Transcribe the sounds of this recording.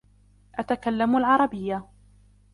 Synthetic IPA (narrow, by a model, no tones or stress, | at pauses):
ʔat̪akalːamalʕɑɾˤɑbɪjːa